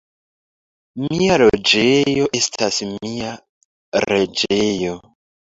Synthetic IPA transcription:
mialo̞d͡ʒejo̞ʔe̞stʰasmia | ɾe̞d͡ʒe̞jo̞

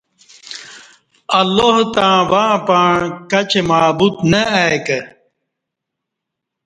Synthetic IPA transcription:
ɐlːoɦt̪ãːwaːpaːɳkɐt͡ɕemaːbut̪nɐajkɐ

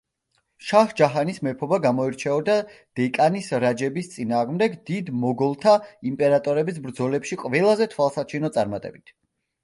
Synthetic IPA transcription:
ʃahd͡ʒaɦanismɛpʰɔbaɡamɔiɾt͡ʃʰɛɔd̪ad̪̥ɛkʼanisɾad͡ʒɛbist̪sʼinaːʁmd̪ɛɡd̪id̪mɔɡɔlˠt̪ʰaimpʼɛɾat̪ʼɔɾɛbis̬bɾd̪zɔlɛpʃiqʼvɛlˠazɛt̪ʰwalˠsat͡ʃʰinɔt̪sʼa̰ɾmat̪ʼɛ̰bit̪ʰ

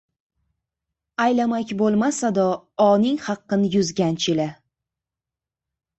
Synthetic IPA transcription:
ajlamakʲbolˠmasad̪ɒɒnɪŋhɑqːɨnjʊzɡʲant͡ʃʰɪla

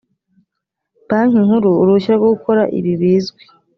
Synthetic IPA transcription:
baːŋiŋhuɾuːɾuʃiɾaɡoɡuko̞ɾa̰ʔḭβiβiːzɡwe̥

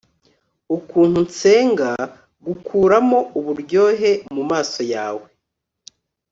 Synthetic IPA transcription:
ukuːn̥hunt͡se̞ːŋɡa | ɡukʰuːɾamo̞ʔuβuɾɟo̞ːɦe̞mumaːso̞jaːwe

